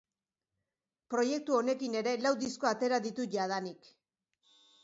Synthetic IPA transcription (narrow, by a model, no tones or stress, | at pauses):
pɾo̞je̞k̚t̪uo̞ne̞kine̞ɾe̞lawd̪isko̞at̪e̞ɾaðit̪uʝað̞anik